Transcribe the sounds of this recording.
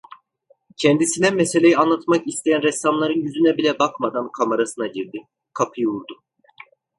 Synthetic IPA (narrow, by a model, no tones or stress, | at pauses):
cʰɛnd̪isind̪ænmese̞lʲe̞jianlˠat̪makist̪ʰe̞jænɾɛst̪amlˠaɾɯnjyzynɛbilʲɛbakmad̪ankʰamaɾasɯnaɟiɾd̪i | kʰapʰɯjuɾd̪ʊ